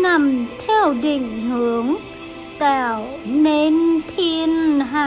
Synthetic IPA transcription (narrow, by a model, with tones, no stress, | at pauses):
na˧˩mt̪ʰɛ˧wɗi˨˩ŋ̟ɦɨ˨˦əŋ | t̪ɛː˧˩wne˧˥nt̪ʰi˧ənɦaː˧˩